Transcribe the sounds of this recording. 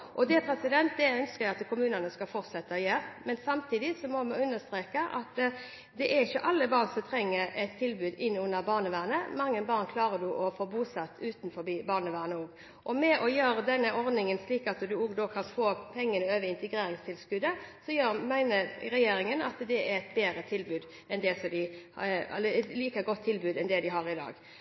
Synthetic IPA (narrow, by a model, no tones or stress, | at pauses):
ʔɔd̪ɛpʰɾɛsɪd̪ɛnt̪̚d̪ɛœnskəɾjæɑt̪kʰʊmʉːnənəskɑfɔɾt̪sɛt̪ːəɔjeːɾmɛnsɑmt̪ʰiːd̪ɪsɔmɔmɑʉnːəʂt̪ɾeːkəʔɑ̰t̪ː | d̪ɛʔæɾɪçəʔɑlːəbɑːʁnsɔmt̪ʰɾɛŋːəɾɛt̪ʰːɪlbʉːd̪ɪnːʉnːəɾbɑːʁnəʋæːʁnəmɑŋːəbɑːʁnkʰlɑːɾəd̪ʉʔɔfoːbuːsɑt̪ːʉːt̪n̩fɔbiːbɑːʁnəʋæːʁnəɔːɡ | ʔɔmɛʔɔjøːɾəd̪ɛnːəʔɔɾd̪nɪŋənsliːkɑt̪d̪ʉuɡd̪oːkʰɑnfoːpʰɛŋːənəøːʋəɪnt̪əɡɾeːɾɪŋst̪ʰɪlskʉd̪əsɔjøːmæɪnəɾɛjeːɾɪŋənɑt̪d̪ɛæɾɛt̪beːd̪ɾət̪ʰɪlbʉːd̪ | ɛnd̪ɛsɔd̪ɪɛ̰lːəɛt̪liːkəɡɔt̪ʰːɪlbʉːd̪ɛnd̪ɛd̪ɪɦɑɾɪd̪ɑ̰ːɡ